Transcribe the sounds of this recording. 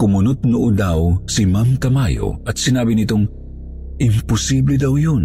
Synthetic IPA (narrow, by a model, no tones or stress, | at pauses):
kʊmʊnʊt̪̚nʊʔʊd̪awsimamkɐmajo̰ʔɐt̪sɪnaːbinit̪oŋ | ʔɪmpʊsiblid̪awjon